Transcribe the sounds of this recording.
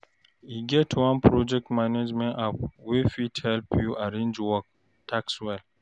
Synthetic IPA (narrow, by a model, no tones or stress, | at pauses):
iɡɛtwãnpʰɾɔd͡ʒɛk̚tmaned͡ʒmɛ̃napwifitʰhɛlpjuaɾẽnd͡ʒwɔk̚ | tʰakswɛl